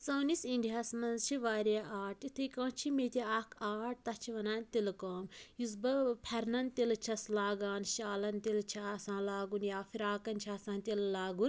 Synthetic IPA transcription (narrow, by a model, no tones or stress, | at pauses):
sɐːnisiɳɖijaːsmɐnzt͡ʃʰiʋaːɾaʔaːʈit̪ʰɨkɐ̃ːt͡ʃʰimet̪ʲiaːkʰaːʈ̚t̪ɐt͡ʃʰiʋɐnaːnt̪ilkoːmjus̬bɐpʰɐɾnɐnt̪ilt͡ʃʰɐslaːɡaːnʃaːlɐnt̪ilt͡ʃʰasãːnlaːɡunjaːfʰiɾaːkɐnt͡ʃʰaːsãːnt̪illaːɡun